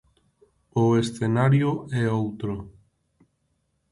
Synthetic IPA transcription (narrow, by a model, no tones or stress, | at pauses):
ʊesθenaɾjʊɛowt̪ɾo